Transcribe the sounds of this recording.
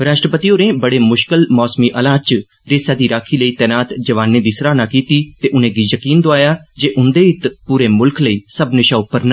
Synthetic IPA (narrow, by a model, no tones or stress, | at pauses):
ɾaːʃʈɾəpət̪ioːnẽːbəɽeːmʊʃkɪlmɔːsmiʔəlaːt͡ʃ | d̪eːsjaːd̪iːɾaːkʰiːləiːt̪ɛːnaːt̪d͡ʒɐʋaːnːẽd̪iːsɾaːnaːkiːt̪iːt̪eːʔʊnẽːɡijəkiːnd̪oaːjaːd͡ʒeːʔʊnd̪eːɪt̪puːɾeːmʊlkʰləiːsəbnɪʃaːʊpːəɾna